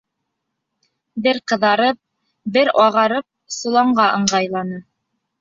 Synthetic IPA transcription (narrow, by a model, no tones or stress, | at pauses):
bɘɾqɤ̆ðɑɾɤp̚ | bɘɾɑʁɑɾɤp̚sŏlˠɑɴɢɑʔɤ̆ɴɢɑjlˠɑnɤ